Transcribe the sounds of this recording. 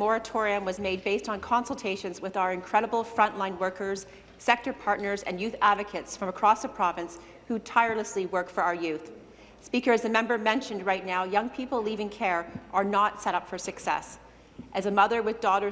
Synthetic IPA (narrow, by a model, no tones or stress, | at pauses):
mɔɹɨtʰɔɹiɨ̃mwʌzmeɪd̚beɪstn̩kʰɑ̃nsl̩ˠtʰeɪʃɨ̃nzwɨðaʊə˞ɨ̃nkʰɹ̥ɛɾəbl̩ˠfɹʌ̃nʔlãɪ̃nwɜ˞kə˞z̥ | sɛk̚tə˞pʰɑɹtⁿnə˞zɨ̰̃njʉθædvɨkʰɨtsfɹʌ̃məkʰɹ̥ɔsðəpʰɹ̥ɑvɨ̃ns | hutʰaɪə˞lˠəsliwɜ˞kfə˞aʊə˞jʉθ | spikə˞ɨzɨmɛ̃mbə˞mɛ̃nʃɨ̃nd̚ɹaɪtⁿnaʊjʌ̃ŋpʰipl̩ˠlivɪ̃ŋkʰɛɹʔə˞nətsɛɾʌpfə˞sɨksɛ̰s | ʔɨzɨmʌðə˞wɨðdɔɾə